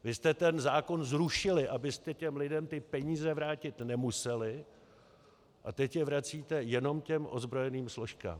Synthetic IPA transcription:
vɪst̪ɛt̪ɛnzaːko̞nzɾuʃɪlɪʔabɪst̪ɛcɛmlɪdɛmt̪ɪpɛɲiːzɛvɾaːcɪt̪nɛmusɛlɪ | ʔat̪ɛcjɛvɾat͡siːt̪ɛjɛno̞mcɛmʔo̞zbɾo̞jɛniːmslo̞ʃka̰ːm

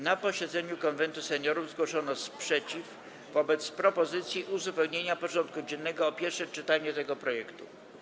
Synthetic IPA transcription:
napɔɕɛd̪zɛɲukɔnvɛnt̪usɛɲɔɾuvzɡwɔʂɔnɔspʂɛt͡ɕif | vɔbɛt̪spɾɔpɔzɘt̪sʲjiʔuzupɛwɲeɲapɔʐɔnt̪̚kud͡ʑɛnːɛɡɔːpʲjɛɾfʂɛt͡ʂɘt̪aɲɛt̪ɛɡɔpɾɔjɛkt̪u

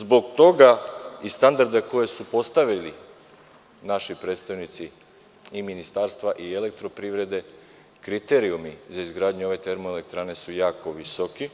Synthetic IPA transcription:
zbo̞ɡt̪o̞ɡaist̪and̪aɾd̪eko̞je̞supo̞st̪aʋili | naʃipɾe̞ːt̪st̪aʋnit̪si | iminist̪aːɾst̪ʋaʔiele̞k̚t̪ɾo̞pɾiʋɾe̞d̪e̞ | kɾit̪eɾiumizaizɡɾaːd̪ɲuo̞ʋe̞t̪e̞ɾmoele̞k̚t̪ɾaːne̞sujaːko̞ʋisoki

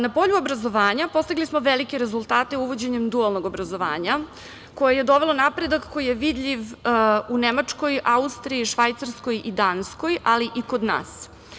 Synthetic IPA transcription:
napo̞ʎuobɾazo̞ʋaːɲapo̞st̪iɡlismo̞ʋelikeɾe̞zulˠt̪aːt̪e̞uʋo̞d͡ʑe̞ɲemd̪ualˠnoɡo̞bɾazo̞ʋa̰ːɲa | ko̞jeje̞d̪o̞ʋelˠonapɾe̞d̪akːo̞jijeʋid̪ʎiʋunemat͡ʂko̞jaust̪ɾiiʃʋajt̪saɾsko̞jid̪aːnsko̞jʔaliʔiko̞d̪na̰ːs

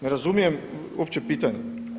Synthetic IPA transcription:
nɛɾazumijɛm | opt͡ʃɛpit̪aɲɛ

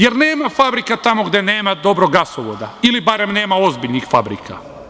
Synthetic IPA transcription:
je̞ɾne̞ːmafabɾikat̪amo̞ɡd̪e̞ne̞ːmad̪o̞bɾo̞ɡasoʋod̪ailibaɾe̞mne̞ːmao̞zbiʎnixfabɾḭkʰa̰

